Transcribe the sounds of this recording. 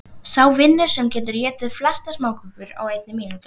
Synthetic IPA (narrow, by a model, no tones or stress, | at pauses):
sawvɪnːʏ̥sɛmcɛːt̪̬ʏɾjɛːt̪ɪðflast̪asmaːwkʏpvʏɾa̰wejt̪nɪmiːnut̪ʏ